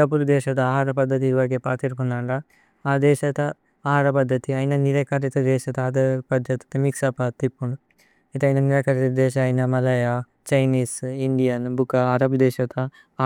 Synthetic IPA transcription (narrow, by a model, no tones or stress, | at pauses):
ap̬uɾd̪ɛːʃɐt̪ɐaːɦaːɾɐpɐd̪ʱːɐt̪iʋɐɾɡeːpaːt̪iɾkunːaːɳɖɐ | aːd̪ɛːʃɐt̪ɐ | aːɦaːɾɐpɐd̪ʱːɐt̪iɐjnɐniɾaːkaːɾit̪ɐd̪ɛːʃɐt̪ɐaːd̪ɐpɐd̪d͡ʒɐt̪ɐ̥t̪ɐmiksapaːt̪ːipːuɳɖ | it̪ɐjnɐniɾaːkaːɾit̪ɐd̪ɛːʃɐːjnɐmɐlɐja | t͡ʃɐjniːsiɳɖijɐnbukaːɾɐbd̪ɛːʃɐt̪ɐ